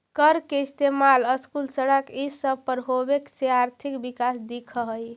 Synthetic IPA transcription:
kəɾkeist̪emaləskulsəɽəkisəbpəɾɦobekseaɾt̪ʰikbikasd̪ikʰəɦəj

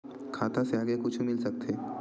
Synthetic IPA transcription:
kʰaːt̪ãseaːɡekʊt͡ʃʰumɪlsɐk̚t̪eː

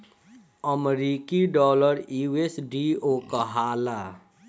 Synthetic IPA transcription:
əmɾikiɖɔːləɾiesɖiokəɦala

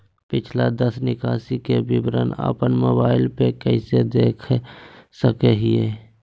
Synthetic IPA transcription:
pɪt͡ʃʰlad̪əsnɪkaːsikebɪbɾə̰na̰ːpənmoːbaːɪlpekəɪsed̪eːkʰsəkeɦieː

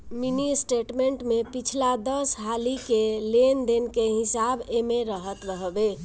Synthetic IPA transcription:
minisʈeʈmeɳʈmepit͡ʃʰlad̪əsɦalikelend̪enkeɦisabemeɾəɦət̪ɾəɦbe

